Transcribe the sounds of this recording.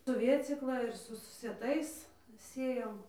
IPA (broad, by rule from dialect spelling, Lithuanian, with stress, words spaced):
sʊ ˈʋʲeːt͡sʲiːklˠɐ ɪr ˈsʊ sʊ sʲiɛˈtɐɪs ˈsʲeːjoːm